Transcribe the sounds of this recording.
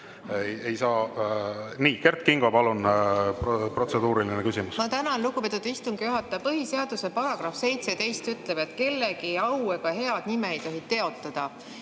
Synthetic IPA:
je̞jsɑː | niːke̞rt̪kiŋɡ̥ɑpɑlunppro̞t̪se̞d̪uːɾilinekysʲimusmɑt̪ænɑnlukupe̞t̪ːˑud̪ist̪uŋɡ̥ijuɦɑt̪ːˑɑpɤɦise̞ɑd̪̥use̞pɑɾɑɡ̥ɾɑfse̞jt̪se̞t̪e̞jst̪yt̪ˑle̞b̥e̞t̪ke̞lːeɡiɑweɡ̥ɑɦe̞ɑd̪̥nimeejt̪oɦit̪e̞o̞t̪ːˑɑd̪̥ɑ

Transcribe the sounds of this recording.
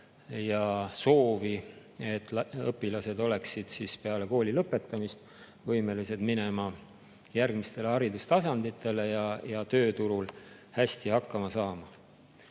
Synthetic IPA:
jɑso̞ːvi | e̞t̪ːˑlɤ̰pːilɑse̞d̪o̞le̞ksid̪̥sispeɑle̞ko̞ːlʲilɤpːˑe̞t̪ˑːɑmist̪ | vɤjme̞lise̞d̪mine̞mɑ | jærɡ̥mist̪e̞lehɑɾid̪ust̪ɑsɑnd̪̥it̪ːˑe̞le̞jɑjɑt̪ø̞ːt̪uɾul | hæst̪ihɑkːɑmɑsɑːmɑ

